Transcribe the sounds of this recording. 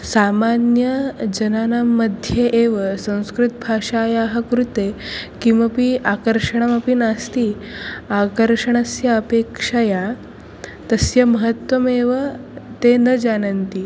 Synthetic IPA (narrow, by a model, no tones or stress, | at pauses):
samanjəd͡ʑənanamːəd̪ʱjeʔeʋəsə̃w̃skɾut̪̚bʱaʂajaɦəkɾut̪ekĩʋɐpiʔakəɾʂəɳ̃amapinast̪iakəɾʂəɳ̃asjaəpekʂaja | t̪əsjəməɦət̪ʋəmeʋət̪enəd͡ʑanənt̪i